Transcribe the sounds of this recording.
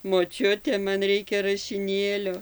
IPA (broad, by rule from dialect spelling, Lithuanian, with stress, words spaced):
moːˈt͡ʃʲʊtʲɛ ˈmɐn ˈrʲɛɪkʲɛ rɐʃʲɪˈnʲeːlʲoː